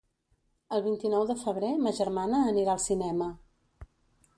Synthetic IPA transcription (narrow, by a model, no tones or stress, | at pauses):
əlˠβ̞int̪inɔwðəfəβ̞ɾeməʒəɾmanəːniɾaəlˠsinɛmə